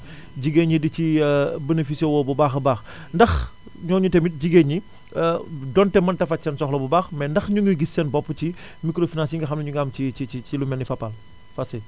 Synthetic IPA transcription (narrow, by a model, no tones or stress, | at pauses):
ɟiɡeɲidicibənefisɛwɔːbubaːxbaːx | ndɐx | ɲɔːɲutɛmit̚ɟiɡeɲi | dɔntɛmɐntɐfɐsɛnsɔxlɔbubaːxmɛndɐxɲuŋɡəɡisːɛnbɔpːəci | mikɾofinansjiŋɡɐxɐmlɐɲuŋɡamt͡ʃiiit͡ʃilumɛnːifɐpːɐl | fɐse